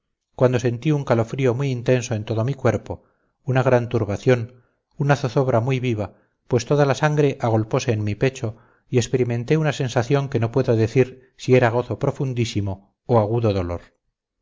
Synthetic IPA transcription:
kwand̪o̞se̞nt̪iuŋkalo̞fɾio̞mwiint̪e̞nso̞e̞nt̪o̞ðo̞mikwe̞ɾpo̞ | unaɣ̞ɾant̪uɾβaθjo̞n | unaθoθo̞βɾamwujβiβ̞a | pwe̞st̪o̞ðalasaŋɡɾe̞ʔaɣ̞o̞lpo̞se̞ːnmipe̞t͡ʃo̞ | iekspe̞ɾimẽ̞nt̪e̞unase̞nsaθjo̞ŋke̞no̞pwe̞ðo̞ðe̞θiɾ | sie̞ɾaɣ̞o̞θo̞pɾo̞fund̪isimo̞ | oaɣuðo̞ðo̞lo̞̰ɾ

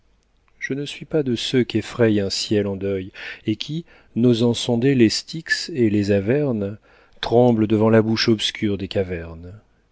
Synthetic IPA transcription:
ʒ̥ənəsɥipad̪əsøkʲiefχɛjɛ̃sjɛlɑ̃d̪œjekʲʰi | nozɑ̃sɔ̃d̪elest̪ʰikselezavɛʁn | t̪χɑ̃bləd̪əvɑ̃labuʃɔbskʲyʁd̪ekavɛʁn

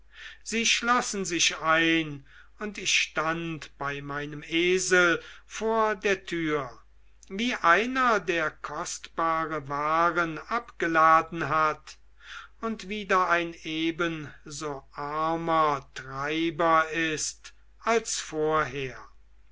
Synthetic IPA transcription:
z̥iːʃlɔsn̩zɪʃaɪn | ʊntɪçʃtantb̥aɪmaɪnəmeːzəlfoːɐdeːɐtʰyːɐ | viːʔaɪnɐdeːɐkʰɔstb̥aːʁəvaːʁənapɡ̥əlaːdn̩ɦat | ʊntv̥iːdɐaɪneːbənzoːʔaɐmɐtʁaɪbɐɪst | alsfoːɐɦeːɐ

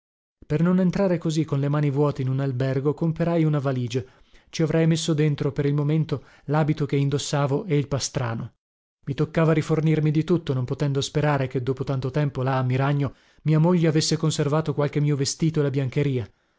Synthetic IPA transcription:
pernonent̪ɾaːɾekozikːonlemaːnivwɔːt̪einunalbɛrɡokompeɾajunavaliːd͡ʒo | t͡ʃiavɾɛjmesːod̪ent̪ɾopeɾilmoment̪o | laːbit̪ok̟eind̪osːaːvoʔɛilpast̪ɾaːno | mit̪okːaːvaɾifornirmid̪it̪ut̪ːonompot̪ɛnd̪ospeɾaːɾeked̪ːoːpot̪ant̪ot̪ɛmpolaːmːiɾaɲːo | miːamoʎːeavesːekonservaːt̪okwalk̟emiːovest̪iːt̪oelabjaŋkeɾiːa

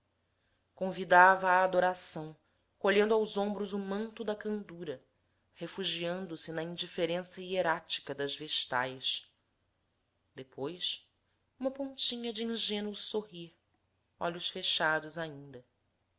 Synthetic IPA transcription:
kõvid̪avɐːd̪oɾasɐ̃w̃ | koʎẽnd̪ʊawzõmbɾʊzumɐ̃nt̪ʊd̪ɐkɐ̃nd̪uɾɐ | hefuʒiɐ̃nd̪ʊsɪnɐĩnd͡ʒifeɾẽsɐieɾat͡ʃi̥kɐd̪ɐzveʃt̪a̰jʃ | d̪epʰojs | ũmɐpõnt͡ʃĩɲɐd͡ʒiĩʒẽnuʊsoɦiɾ | ɔ̰ʎʊʃfeʃad̪ʊzaĩnd̪ɐ

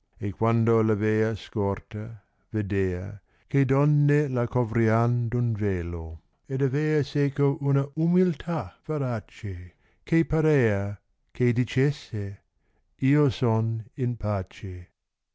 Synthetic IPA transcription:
ekwand̪olaveːɐskɔrt̪a | ved̪eːɐ̰ | ked̪ɔnːelakovɾiand̪unveːlo | ed̪aveːɐseːkoʔunɐʔumilt̪ʰav̥eɾat͡ʃe | kʰepaɾeːɐ | kʰed̪it͡ʃesːe | iːosoninpʰaːt͡ʃe

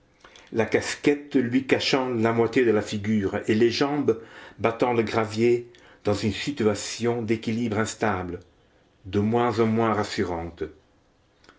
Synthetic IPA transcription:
lakaskɛt̪lɥikaʃɑ̃lamwat̪jed̪əlafiɡyːʁeleʒɑ̃bbat̪ɑ̃ləɡʁavje | d̪̥ɑ̃zynsit̪yasjɔ̃d̪ekilibʁɛ̃st̪ablə | d̪əmwɛ̃zɑ̃mwɛ̃ʁasyʁɑ̃t̪

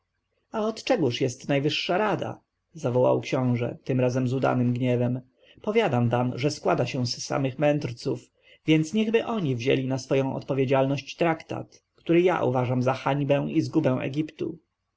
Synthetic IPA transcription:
aɔt̪t͡ʂɛɡuʂjɛst̪najvɘʂːaɾad̪a̰ | zavɔwa̰wkɕɔ̃w̃ʐɛ̰t̪ɘmɾazɛmzud̪a̰nɘmɡɲɛvɛm | pɔvʲjad̪amvamʐɛskwad̪aɕɛ̃zːa̰mɘxmɛnt̪ɾt̪suf | vʲjɛnt̪sɲɛɣbɘʔɔɲivʑɛ̰lʲinasfɔjɔ̃w̃ʔɔ̰t̪pɔvʲjed͡ʑalnɔɕt͡ɕt̪ɾakt̪a̰t̪ | kt̪uɾɘja̰ʔṵvaʐamzaxaɲbɛ̃w̃izɡubɛ̃w̃ʔɛ̰ɡʲipt̪ṵ

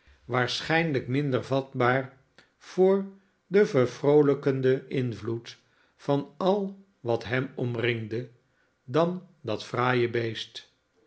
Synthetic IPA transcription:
ʋaːɹsχɛjnləkmɪndəɹvɑd̚baːɹ | v̥ʊːɹ | dəvəɹvrowləkəndəɪnvlut | fɑnɑlˠ | ʋɑtɦɛmɔmrɪŋdə | dɑndɑtfraːjəbejst

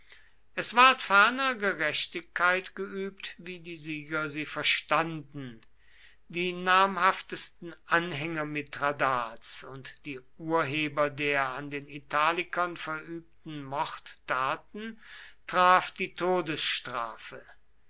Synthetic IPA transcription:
ʔɛsv̥aɐtfɛɐnɐɡəʁɛʃtɪkːaɪtɡ̥əʔyːp̚tviːdiːziːɡɐziːfɛɐʃtandn̩ | diːnaːɐmhaftəstn̩ʔanɦɛŋɐmɪtʁadaːt͡sʊntd̥iːʔuːɐɦeːbɐdeːɐandeːnitʰaːlɪkɐnfɛɐʔyːp̚tn̩mɔχtːaːtn̩tʁ̥aːfd̥iːtʰoːdəsʃtʁ̥aːfə

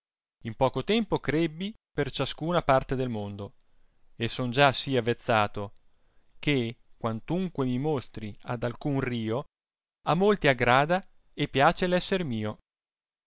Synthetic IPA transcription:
impɔːkot̪ɛmpokɾebːi | pert͡ʃaskuːnapart̪ed̪elmond̪o | esːond͡ʒasiavːet̪sːaːt̪o | k̟ekwant̪uŋkwemimost̪ɾia̰d̪alkunriːo | amːolt̪iaɡɾaːd̪a | epːjaːt͡ʃelɛsːeɾmiːo

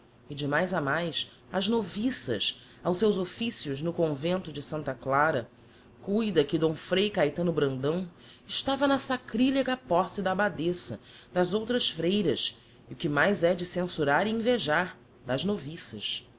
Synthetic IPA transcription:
ɪd͡ʒɪmajzamajs | ɐʒnovisɐ̰ʃ | awsewzofisiʊʒnʊkõvẽnt̪ʊd͡ʒɪsɐ̃nt̪ɐklaɾɐ | kujd̪ɐkɪd̪õfɾejkajt̪ɐ̃nʊbɾɐ̃nd̪ɐ̃w̃ | ɪʃt̪avɐnɐsakɾilikɐpɔɾsɪd̪ɐbad̪esɐ̰ | d̪ɐzowt̪ɾɐʃfɾejɾɐs | ʊkɪmajzɛd͡ʒɪsẽsuɾaɾiĩveʒaɾ | d̪ɐʒnovisɐʃ

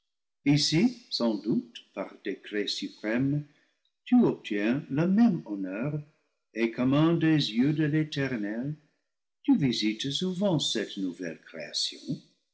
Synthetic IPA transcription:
isisɑ̃dut̪paʁd̪̥ekɾesypχɛm | t̪yɔp̚t̪ʰjɛ̃ləmɛmɔnœʁ | ekʰɔmɛ̃dezjødəlet̪ɛʁnɛl | t̪yvizit̪suvɑ̃sɛtnuvɛ̰lkʁḛa̰sjɔ̰̃

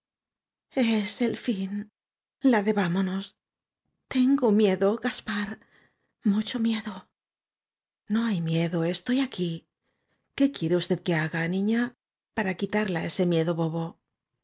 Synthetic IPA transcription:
ese̞lfin | laðe̞βamo̞no̞s | t̪e̞ŋɡo̞mje̞ðo̞ɣaspaɾ | mut͡ʃo̞mje̞ðo̞ | no̞ajmje̞ðo̞est̪o̞jaki | ke̞kje̞ɾe̞ust̪e̞ð̥ke̞aɣanĩɲa | paɾakit̪aɾlae̞se̞mje̞ðo̞βo̞βo̞

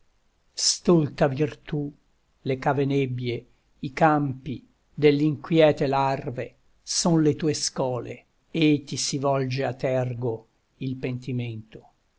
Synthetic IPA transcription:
st̪olt̪avirt̪u | lekavenebje | ikampi | d̪elːiŋkwjɛːt̪elarve | sonlet̪uːeskɔːlḛ | et̪ːisivɔld͡ʒeat̪ːɛrɡo | ilpent̪iment̪o̥

